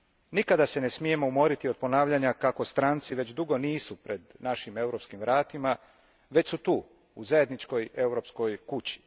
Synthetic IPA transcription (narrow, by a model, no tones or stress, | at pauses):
nikad̪ase̞nesmije̞mo̞umo̞ɾit̪iod̪̚po̞naːʋʎaɲakako̞st̪ɾaːnt̪siʋe̞t͡ɕd̪uɡo̞niːsupɾe̞d̪naʃime̞wɾo̞pskimʋɾaːt̪ima | ʋe̞t͡ɕsut̪uː | uzaje̞d̪nit͡ʃko̞je̞wɾo̞psko̞jkut͡ɕi̥